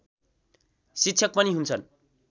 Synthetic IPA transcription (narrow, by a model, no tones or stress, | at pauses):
sitːsʰʌk̚pʌniɦunt͡sʰʌn